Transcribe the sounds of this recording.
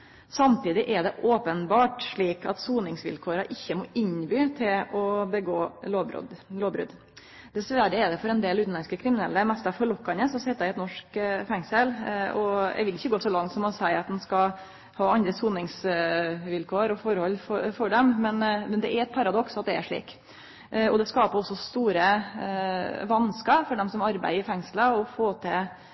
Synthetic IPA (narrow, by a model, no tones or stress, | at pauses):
sɑmt̪iːd̪ɪʔɛɖɛʔoːpənbɑːʈʂɭiːkɑt̪suːnɪŋsʋɪ̰lkʰoːɾɑʔɪçːəmɔʔɪɲbyːt̪ʰɪlɔbəɡoːoːbɾ̰loːbɾʉ̰d̪ | d̪̥ɛsʋæɾəɛɖ̪ɛfɔɾɛnd̪eːlʉːt̪n̩ɑɛnskəkʰɾɪmɪnɛlːəmɛst̪ɑfɔɾɭɔkːɑnəsɔsɛt̪ːæɪɛt̪nɔʂkfɛŋsəlɔ̰ɡʋɪlːɪçːəɡoːsɔlɑŋt̪sɔmɑnsæɪɾɑt̪̚d̪ɛnskɑ | hɑːɑnd̪ɾəsuːnɪŋs | ʋɪlkʰoːɾɔfɔɾhɔlːfɔfɔɖɛmmɛnmɛnd̪ɛʔæɾɛt̪̚pʰɑɾɑd̪ɔksɑt̪̚d̪ɛæʂɭḭːk | ʔɔd̪ɛskɑːpəɔsːɔst̪uːɾə | ʋɑnskəfɔɖɛmsɔmɑɾbæ̰ɪɪfɛŋsləɔfoːt̪ʰɛ